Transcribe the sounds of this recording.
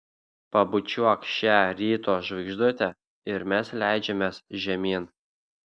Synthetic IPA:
pɐbʊt͡ʃʲuɔkʃʲæːɾʲiːt̪oːʒʋɐɪɡʒd̪ut̪ʲɛ | ɪɾmʲɛslʲæˑɪd͡ʒʲɛmʲeːsʒʲɛmʲiːn

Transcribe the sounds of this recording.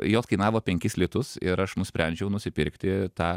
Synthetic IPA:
joːskɐɪnɑːʋoːpʲɛŋʲkʲɪslʲiɪt̪ʊsɪɾɐʃnʊsʲpʲɾʲɛnʲd͡ʒʲɛʊnʊsʲɪpʲɪɾʲkt̪ʲɪt̪ɑː

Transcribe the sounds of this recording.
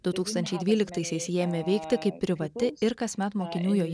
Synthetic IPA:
d̪ʊt̪uːkst̪ɐnʲt͡ʃʲɛɪd̪ʲʋʲiːlʲɪkt̪ɐɪsʲɛɪsjeːmʲeːʋʲɛɪkt̪ʲɪkɐɪpʲːɾʲɪʋɐt̪ʲɪɪɾkɐsmʲɛt̪moːkʲɪnʲuːjoːj

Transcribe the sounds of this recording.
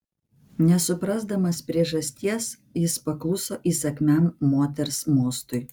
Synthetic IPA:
nʲɛsʊpɾɐzd̪ɐmɐspʲɾʲiɛʒɐsʲt̪ʲiɛs | jɪspɐklˠʊsoːʔiːsɐkʲmʲæmːoːt̪ʲɛɾsmoːst̪ʊɪ

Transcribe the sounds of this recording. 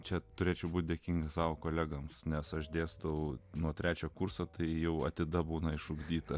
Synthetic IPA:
t͡ʃʲɛt̪ʊɾʲeːt͡ʃʲɛʊbuːt̪̚ʲd̪ʲeɛkʲiŋɡɐssɑːʋoːkoːlʲæːɡɐmsnʲɛsɐʃd̪ʲeːsd̪ɐʊnuɔt̪ʲɾʲæːt͡ʃʲoːkuːrsot̪ɐɪjɛʊɐt̪ʲɪd̪ɐbuːnɐɪʃʊɡd̪ʲiːt̪ɐ

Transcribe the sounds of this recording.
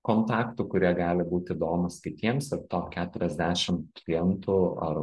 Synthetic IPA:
koːnt̪ɑːkt̪ʊkʊɾʲiɛɡɑːlʲɪbuːt̪ʲiːd̪oːmʊskʲɪt̪ʲiɛmsɪrt̪oːkʲæːt̪ʊɾʲɛzʲd̪ʲæːʃʲɪmklʲɪɛnt̪ʊɐ̰r

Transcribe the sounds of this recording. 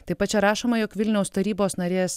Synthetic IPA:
t̪ɐɪpɐt̪t͡ʃʲɛɾɑːʃoːmɐjɔːkʋʲɪlʲnʲɛʊst̪ɐɾʲiːboːsnɐɾʲeːs

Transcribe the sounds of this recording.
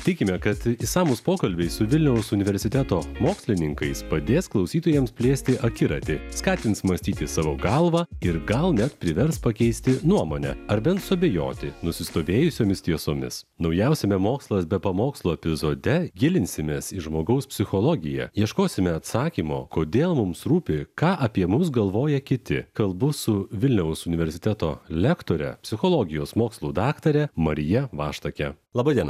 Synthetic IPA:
t̪ʲɪkʲɪmʲɛkɐt̪ɪsɑːmuspoːkɐlʲbʲɛɪsʊʋʲɪlʲnʲɛʊsʊnʲɪʋʲɛɾʲsʲɪt̪ʲæt̪oːmoːksʲlʲɪnʲɪŋkɐɪspɐd̪ʲeːsklˠɒʊsʲiːt̪oːjɛmspʲlʲeːsʲt̪ʲɪʔɐkʲɪɾɐt̪ʲɪskɑːt̪ʲɪnt̪smɐsʲt̪ʲiːt̪ʲɪsɑːʋoːɡɐlˠʋɑːɪɾɡɐlˠnʲɛt̪pʲɾʲɪʋʲɛɾspɐkʲɛɪsʲt̪ʲɪnuɔmoːnʲɛ̰ɐɾbʲɛnt̪sʊɐbʲejo̰ːt̪ʲɪnʊsʲɪst̪oːʋʲeːjʊsʲoːmʲɪst̪ʲiɛsoːmʲɪ̰s | nɐʊjɛʊsʲɛmʲɛmoːkslˠɐsbʲɛpɐmoːkslˠoːɛpʲɪzoːd̪ʲɛɡʲɪlʲɪnʲsʲɪmʲeːsiʒmoːɡɐʊspʲsʲɪxolˠɔːɡʲɪjɛ̰jiɛʃkoːsʲɪmʲɛɐt̪sɑːkʲiːmo̰ːkoːd̪ʲeːlˠmʊmsɾuːpʲɪkɑːʔɐpʲiɛmʊs̬ɡɐlˠʋoːjɛkʲɪt̪ʲɪ̰kɐlˠbʊsʊʋʲɪlʲnʲɛʊsʊnʲɪʋʲɛɾʲsʲɪ̥t̪ʲɛt̪oːlʲɛkt̪oːɾʲɛ̰pʲsʲɪxoːlˠoːɡʲɪjoːsmoːkslˠuːd̪ɑːkt̪ɐɾʲɛmɐɾʲɪjɛʋɑːʃt̪ɐkʲɛlˠɑːbɐd̪ʲiɛn

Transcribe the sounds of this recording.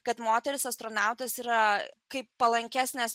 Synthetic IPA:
kɐt̪moːt̪ʲɛɾʲɪsɐst̪ɾoːnɑˑʊt̪ɐsiːɾɐkɐɪppɐlˠɐŋʲkʲæsʲnʲɛs

